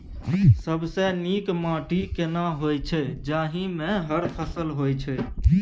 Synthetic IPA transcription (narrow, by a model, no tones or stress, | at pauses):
səbsenikmãːʈikenaɦojt͡ʃʰɛd͡ʒaːɦimẽɦəɾpʰəsəlɦojt͡ʃʰɛ